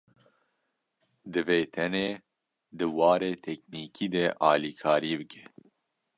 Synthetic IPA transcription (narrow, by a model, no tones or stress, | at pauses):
d̪ɨveːt̪ʰɛneː | d̪ɨwɑːɾeːt̪ʰɛkniːkʰiːd̪ɛʔɑːliːkʰɑːɾiːbɨkʰɛ̥